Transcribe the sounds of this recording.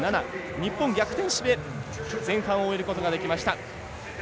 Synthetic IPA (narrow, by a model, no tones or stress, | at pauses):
nanaɲ̟ipːõ̞ŋɡʲakɯ̟̥t̪ẽ̞ɰ̃ɕibed͡zẽ̞ɰ̃hãɰ̃oːeɾɯ̟ko̞t̪o̞ɡad̪e̞kʲimaɕi̥t̪a